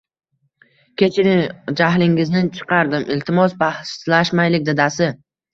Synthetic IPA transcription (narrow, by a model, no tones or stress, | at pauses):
kʲʰe̞t͡ʃʰɪnɪd͡ʒaɦlɪŋɪznɪt͡ʃʰɨ̥qʰɑɾd̪ɪmʔɪlt̪ʰɪmɒsbahslaʃmajlɪk̚ʲd̪ɪd̪asɪ